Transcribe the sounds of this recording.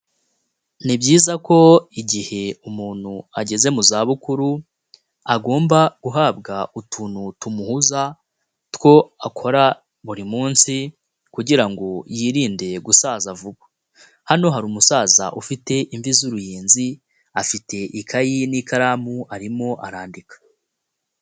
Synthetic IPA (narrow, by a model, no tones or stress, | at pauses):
nibɟiːzako̞iɟihe̞umuːn̥hua̰ɟe̞ze̞muzaːβukuɾu | aɡo̞ːmbaɡ̥uɦaːbɡautʰuːnhutumuhuza | two̞akʰo̞ɾa | βuɾimuːnsi | kuɟiɾaŋɡo̞jiːɾiːnde̞ɡusaːzavuβḁ | hano̞ɦaɾumusaːza̰ʔufite̞ʔiɱvizuɾujiːnzi | afite̞ʔikʰajinikaɾaːmuaɾimo̞ʔaɾaːndikḁ